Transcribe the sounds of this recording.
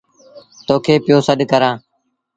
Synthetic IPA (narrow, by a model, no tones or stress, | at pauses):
t̪oːkʰeːpɪjoːsəɗkəɾãː